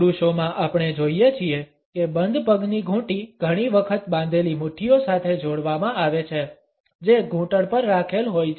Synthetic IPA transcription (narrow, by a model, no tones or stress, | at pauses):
ɾuʃomãʔapɳ̃ed͡ʒoijet͡ʃʰie | kebənd̪ʱpəɡniɡʱũʈiɡ̥ʱəɽ̃iʋəkʰət̪bãnd̪ʱelimʊʈʰiosat̪ʰed͡ʒoɽʋamãaʋet͡ʃʰe | d͡ʒeɡʱũʈəɭpəɾːakʰelɦoj